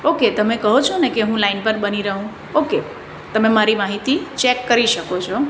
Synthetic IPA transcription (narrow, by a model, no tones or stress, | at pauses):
oket̪əmẽkəɦot͡ʃʰonekeɦũlainpəɾbəniɾəɦũ | oke | t̪əmẽmaɾimaɦit̪it͡ʃekːəɾiʃəkot͡ʃʰɔ